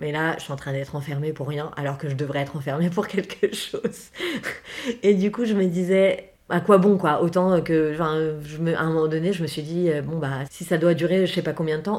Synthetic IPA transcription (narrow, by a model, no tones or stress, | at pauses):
mɛlaʒəsiɑ̃t̪χɛ̃d̪ɛt̪χɑ̃fɛʁmepuʁːjɛ̃ʔa̰lɔʁkəʒəd̪əvʁɛɛt̪χɑ̃fɛʁmep̬uʁkʲɛlkʰəʃoz | ed̪ykuʒəməd̪izɛ | akwabɔ̃kwaʔot̪ɑ̃kə̃fɛ̃ʒəməʔɛ̰̃ːmɔmɑ̃d̪ɔneʒəməsɥid̪iøbɔ̃basisad̪wad̪yʁeʒəsɛpakɔ̃bjɛ̃d̪ət̪ɑ̃